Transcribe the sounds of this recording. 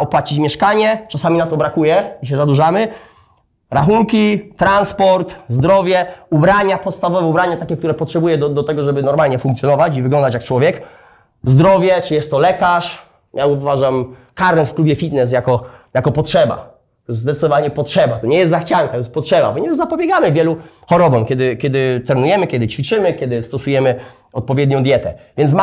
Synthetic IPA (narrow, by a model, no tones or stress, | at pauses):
ɔpwat͡ɕit͡ɕmʲjɛʂkaɲɛt͡ʂasamʲinat̪ɔbɾakujɛiɕ̬ɛzad̪uʐamɘ | ɾaxuŋkʲit̪ɾanspɔɾt̪zd̪ɾɔvʲjɛubɾaɲapɔt̪st̪avɔvɛubɾaɲat̪akʲɛkt̪uɾɛpɔtʂɛbujɛd̪ɔd̪ɔt̪ɛɡɔʐɛbɘnɔɾmalɲɛfuŋk̪sʲjɔnɔvat͡ɕivɘɡlɔnd̪at͡ɕjak̚t͡ʂwɔvʲjɛk | zd̪ɾɔvʲjɛt͡ʂɨjɛst̪ːɔlɛkaʂ | jauvaʐamkaɾɛnfklubjɛfʲit̪nɛs̬jakɔjakɔpɔtʂɛba̰ | t̪ɔjɛsd̪ɛt̪sɘd̪ɔvaɲɛpɔtʂɛbat̪ɔɲɛjɛst̪zaxt͡ɕaŋkat̪ɔjɛst̪̚pɔtʂɛba̰bɔɲɛzapɔbʲjɛɡamɘvʲjɛlu | xɔɾɔbɔmkʲɛd̪ɘkʲjɛd̪ɘt̪ɾɛnujɛmɘkʲjɛd̪ɘt͡ɕfʲit͡ʂɘmɘkʲjɛd̪ɘst̪ɔsujɛmɘ | ɔt̪̚pɔvʲjɛd̪ɲɔ̃w̃d̪ʲjɛt̪ɛvʲjɛnsma